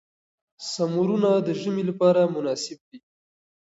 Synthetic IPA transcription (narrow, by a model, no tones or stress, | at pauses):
samuɾunad̪əʒəmilapɑɾamʊnɑsɪb̚d̪i